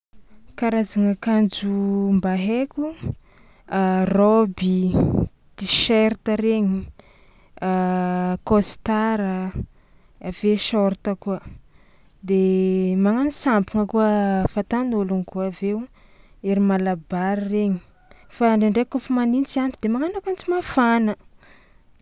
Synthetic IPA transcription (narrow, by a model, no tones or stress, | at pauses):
kaɾazaŋakand͡ʒumbaɦekʲu | arɔbi | d̪̥iʃeɾt̪əɾeɲi | akost̪aɾə | aveʃɔɾt̪akuə | d̪emaŋanisampiŋəkuəfat̪anoluŋkuavew | eɾimalabaɾireɲi̥ | faɳɖ͡ʐeɳɖ͡ʐekufamanint͡sianɖ͡ʐid̪emaŋanakant͡simafanə